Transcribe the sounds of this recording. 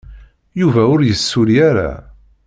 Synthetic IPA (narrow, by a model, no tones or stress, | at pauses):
juvæʊɾjəsːʊɾijaɾa̰